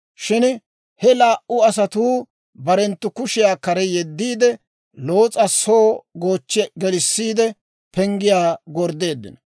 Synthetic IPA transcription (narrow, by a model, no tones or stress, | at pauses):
ʃɪn | hɛlaːʔʊɐsɐt̪uː | bɐɾɛnt̪ːʊkʊʃɪjaːkɐɾɛjɛd̪ːiːd̪ɛ | lo̞ːt͡sʼɐsoːɡo̞ːt͡ʃːɡɛlɪsːiːd̪ɛ | pɛŋɡɪjaːɡɔɾd̪e̞ːd̪ːɪ̰nɐ